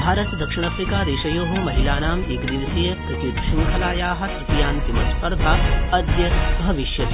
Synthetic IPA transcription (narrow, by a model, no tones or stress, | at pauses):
bʱaːɾɐt̪d̪ɐkʂiɳ̃aːfɾikaːɾeːʃɐjoːɦumɐɦilaːnaːmiɡɾiʋsijpɾɐt̪jut̪ʃiŋkʰɐlaːjaːɦɐ̆t̪ip̪ijaːnt̪imɐspɐɾd̪ʱaːɐd̪jɐbʱɐʋiʃjɐ